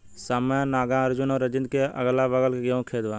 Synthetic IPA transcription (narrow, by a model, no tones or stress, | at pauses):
saːmjãnaːɡãːɐɾd͡ʒʊnɔːɾɐd͡ʒɪ̃nd̪̚keɐɡlaʋəɡəleɡəũkʰeːd̪ʋãː